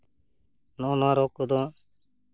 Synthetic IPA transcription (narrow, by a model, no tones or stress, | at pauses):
noːnãːɾoːkod̪õː